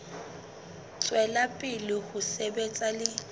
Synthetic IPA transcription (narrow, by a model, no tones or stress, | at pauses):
t͡sʼwɛlapʼɪlɪhʊsebet͡sʼalɪ